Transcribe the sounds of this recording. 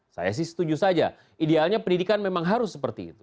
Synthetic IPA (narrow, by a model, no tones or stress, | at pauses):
sa̰ja̰s̬ɪhsə̥t̪ud͡ʒusad͡ʒa̰ | idealɲapəndidikanmemaŋɦaɾʊsːəpərt̪ḭːt̪u̥